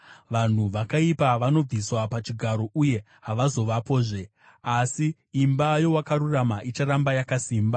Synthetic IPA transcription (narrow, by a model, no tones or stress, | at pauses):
ʋan̤uʋakaipaʋano̞b͡viswapat͡ʃiɡʱaɾo̞ʔuje̞ | ɦaʋazo̞ʋapo̞ːʐe̞ | asiː | mbajo̞wakaɾuramaʔit͡ʃaɾambajakasiːmba